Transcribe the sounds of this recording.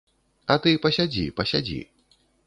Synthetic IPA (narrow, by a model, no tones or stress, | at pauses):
ɐt̪ɨpɐɕʲad͡zʲḭpɐɕʲad͡zʲḭ